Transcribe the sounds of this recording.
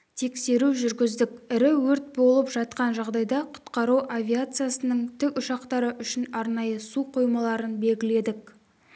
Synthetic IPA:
t̪ʰe̞kse̞ɾuʒʏɾɡʲɪzd̪ɪkʲɪɾɪwɵɾt̪̚bo̞lˠəpʒɑt̪̚qɑnʒɑʁd̪ɑjd̪ɑqʰʊ̥t̪qɑɾuwʔavʲiat̪sɨjasənəɴt̪ʰɪkʊʃɑqt̪ɑɾəʔʏʃɪnɑɾnɑjəsuqʰojmɑlˠɑɾənbe̞lɡʲɪle̞d̪ɪk

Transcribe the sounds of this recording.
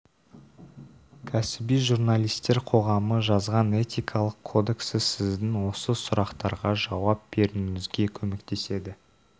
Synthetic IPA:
kʲʰæsɪbijʒurnalʲˠijst̪e̞ɾqʰo̞ʁɑməʒɑzʁɑne̞t̪ʲijkʰɑlˠəqʰo̞d̪e̞ksɪsɪzd̪ɪŋwo̞səsʊɾɑqt̪ɑɾʁɑʒɑwɑp̚b̥e̞ɾɪŋɪzɡʲe̞kʲʰɵme̞kt̪e̞se̞d̪ɪ

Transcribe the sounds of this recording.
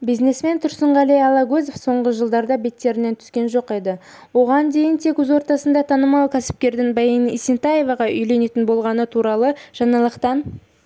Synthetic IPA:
bijzne̞sme̞nt̪ʰʊɾsəɴʁɑlijɑlˠɑɡɵzefso̞ɴʁəʒəlˠd̪ɑɾd̪ɑbe̞t̪ːe̞ɾɪnent̪ʰʏ̥skʲe̞nʒo̞qe̞d̪ɪ | wo̞ʁɑnd̪e̞jɪnt̪ʰe̞kɵzwoɾt̪ɑsənd̪ɑt̪ʰɑnəmɑlˠkʲʰæsɪ̥p̚kʲe̞ɾd̪ɪŋbɑjinisint̪ɑjevɑʁɑʔʏjle̞ne̞t̪ɪnbo̞lˠʁɑnət̪ʰuɾɑlˠəʒ̥ɑɴɑlˠəqt̪ɑn

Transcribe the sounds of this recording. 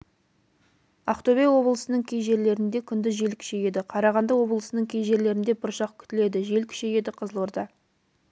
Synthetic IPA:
ɑqt̪obejwo̞blˠəsənəɴkʲʰejʒe̞ɾle̞ɾɪnd̪e̞kʲʰʏnd̪ɪzʒe̞lkʲʰʏ̥ʃe̞je̞d̪ɪqʰɑɾɑʁɑnd̪ɑwo̞blˠəsənəɴkʲʰejʒe̞ɾle̞ɾɪnd̪e̞bʊɾʃɑq̚kʲʰʏ̥t̪ɪle̞d̪ɪʒe̞lkʲʰʏ̥ʃe̞je̞d̪ɪqʰəzəlˠoɾd̪ɑ

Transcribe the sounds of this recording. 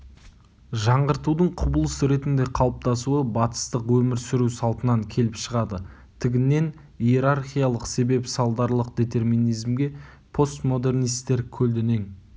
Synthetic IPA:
ʒɑɴʁəɾt̪ud̪əɴqʰʊbəlˠəsəɾe̞t̪ɪnd̪e̞qʰɑlˠəp̚t̪ɑsuəbɑt̪ə̥st̪əqwɵmɪɾsɪɾusɑlˠt̪ənɑŋkʲʰe̞lɪpʃəʁɑd̪ə | t̪ʰɪɡʲɪnːe̞n | ije̞ɾarχʲijalˠəqse̞be̞psɑlˠd̪ɑɾlˠəq̚d̪e̞t̪e̞rminijzmɡʲe̞ | pʰo̞st̪mo̞d̪e̞rnijst̪e̞ɾkʲʰɵld̪ene̞ŋ

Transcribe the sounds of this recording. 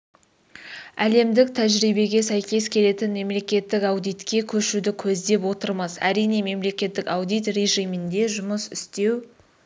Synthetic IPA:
æle̞md̪ɪk̚t̪ʰæʒɾijbe̞ɡʲe̞sæjkʲe̞skʲʰe̞le̞t̪ɪnme̞mle̞kʲe̞t̪ːɪkɑwd̪ijt̪kʲe̞kʲʰɵʃud̪ɪkʲʰɵzd̪e̞p̬wo̞t̪əɾmɑsæ̰ɾijne̞me̞mle̞kʲe̞t̪ːɪkɑwd̪ijt̪reʒijmɪnd̪e̞ʒʊməsʏst̪e̞w

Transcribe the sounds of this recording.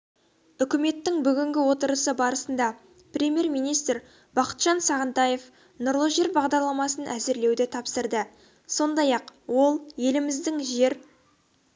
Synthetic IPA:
ʏkʲɪme̞t̪ːɪŋbʏɡʲɪŋɡʲɪwo̞t̪əɾəsəbɑɾəsənd̪ɑ | prʲe̞mʲje̞ɾmijnijst̪ɾ | b̥ɑqə̥t̪ʒ̥ɑnsɑʁənt̪ɑje̞f | nʊɾlˠəʒe̞ɾbɑʁd̪ɑɾlˠɑmɑsənʔæzɪɾle̞wd̪ɪt̪ʰɑpsəɾd̪ə | so̞nd̪ɑjɑqwo̞lˠje̞lɪmɪzd̪ɪŋʒe̞ɾ

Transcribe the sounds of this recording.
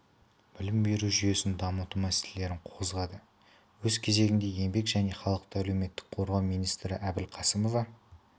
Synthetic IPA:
b̥ɪlɪmbe̞ɾuʒʏje̞sɪnd̪ɑmət̪umæselele̞ɾɪɴqʰozʁɑd̪ə | wɵzkʲʰe̞ze̞ɡʲɪnd̪e̞je̞mbe̞kʒæne̞χɑlˠəq̚t̪əæle̞wme̞t̪ːɪ̥k̚qʰo̞ɾʁɑwmijnijst̪ɾɪʔæbɪlqʰɑsəmo̞vɑ

